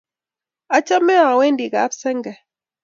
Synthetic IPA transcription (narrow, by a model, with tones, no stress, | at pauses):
a˦t͡ʃa˦mɛ˦a˨we˦ndi˨ɡa˨˦psɛ˦ŋɡɛ˨